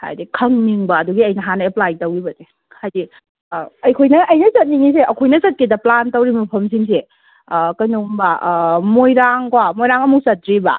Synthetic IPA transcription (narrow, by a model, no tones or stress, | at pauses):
ha̰jdikʰɐŋniŋbɐːduɡiɐjnɐɦanɐeplajtɐwibɐde | hajdi | ɐjkʰojnɐʔɐjnɐzɐt̚niŋis̬eʔɐkʰojnɐzɐt̚kidɐplantɐwɾimɐpʰɐms̬iŋs̬e | kɐjnuŋbɐmojɾaŋkwamojɾaŋɐmuk̚sɐtɾibɐ̰